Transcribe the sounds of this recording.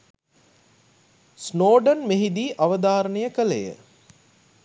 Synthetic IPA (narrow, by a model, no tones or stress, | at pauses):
snoːɖənmeɦid̪iːʔaʋəd̪aːɾənəjəkələjə̰